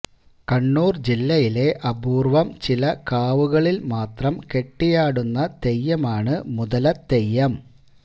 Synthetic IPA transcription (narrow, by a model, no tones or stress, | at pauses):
kɐɳːuːrd͡ʑilːɐjile̞ʔɐbuːrʋɐmt͡ɕilɐkaːʋuɣɐɭilmaːt̪rɐmke̞ʈːijaːɽunːɐt̪e̞jːɐmaːɳɨmuðɐlɐt̪ejːɐm